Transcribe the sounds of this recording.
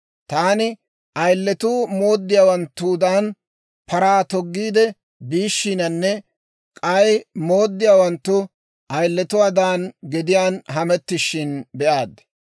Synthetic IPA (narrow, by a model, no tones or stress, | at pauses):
t̪aːnɪ | ʔɐjlːɛt̪uːmo̞ːd̪ːɪjaːwɐnt̪ːuːd̪aːn | pɐɾaːt̪ɔɡːiːd̪ɛ | biːʃːinɐnːɛ | kʼɐjmo̞ːd̪ːɪjaːwɐnt̪ːʊ | ʔɐjlːɛt̪ʊwaːd̪aːnɡɛd̪ɪjaːnɦɐmɛt̪ːɪʃːɪnbɛʔaːd̪ɐ